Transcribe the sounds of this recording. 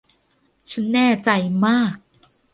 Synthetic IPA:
t͡ɕʰa˦˥nːɛː˥˩t͡ɕa˧jmaː˥˩k̚

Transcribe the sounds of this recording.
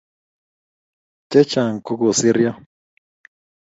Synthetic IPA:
t͡ʃɛ˦t͡ʃa˨ŋ˨ku˦ku˨si˦ɾja˦

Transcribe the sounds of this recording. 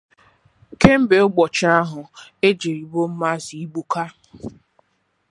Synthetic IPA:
ke˦m̩˦be˨ʊ˦ɡ͡bɔ˨t͡ʃa˦ɦʊ˨e˦d͡ʒe˨ɾi˨bo˦m̩˦ma˦zi˨i˦ɡ͡bu˦ka˦

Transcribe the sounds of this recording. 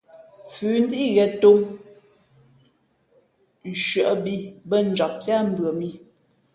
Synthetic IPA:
fʉː˨˦n̩˦di˦i˦ɣɛ˨to˦ŋ˨ | ʃɥə˨ʔbi˦bə˦˨n̩˨d͡ʒɔ˨p̚ti˦a˦m̩˦˨bɰə˨mi˦

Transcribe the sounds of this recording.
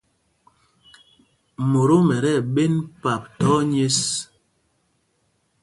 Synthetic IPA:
mo˨ɾo˦mɛ˨ɾɛ˦˨ɓe˦npa˨p̚tɔ˦ɲe˦s

